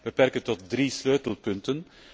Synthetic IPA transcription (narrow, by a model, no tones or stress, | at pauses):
b̥əpɛrkəntɔt̚dɾisløːtəlˠpɵntən